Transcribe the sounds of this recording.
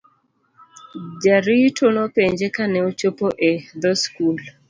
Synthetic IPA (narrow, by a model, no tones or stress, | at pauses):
d͡ʒaɾitʰonopeɲd͡ʒekanɛot͡ʃopoʔed̪ɔskul